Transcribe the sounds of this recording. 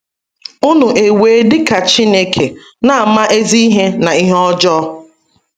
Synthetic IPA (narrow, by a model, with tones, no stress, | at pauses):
ʊ˦nʊ˨ʔe˨we˨˦dɪ˦ka˨t͡ʃi˦ne˦kʰe˨ | na˦a˨ma˦ʔe˦zi˦i˦ɦe˦na˨i˦ɦɔ˦d͡ʒɔː˦